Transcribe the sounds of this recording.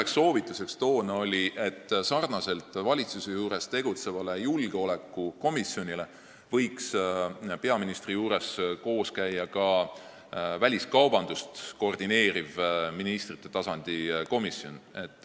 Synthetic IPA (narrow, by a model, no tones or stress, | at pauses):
eksːo̞ːvit̪ːˑuse̞kst̪o̞ːnɑo̞lʲiʔe̞t̪ːsɑrnɑse̞lt̪ˑvɑlʲit̪susejuːɾe̞st̪e̞ɡ̥ut̪se̞vɑle̞julɡ̥eo̞le̞kˑːuko̞misjo̞nʲile̞ | vɤ̞jkspe̞ɑminist̪rijuːɾe̞sko̞ːskæjːɑkɑ | vælʲiskɑwb̥ɑnd̪ust̪ko̞rd̪ine̞ːɾivminist̪rit̪ˑːe̞t̪ɑsɑnd̪̥iko̞misjo̞ne̞t̪ːˑ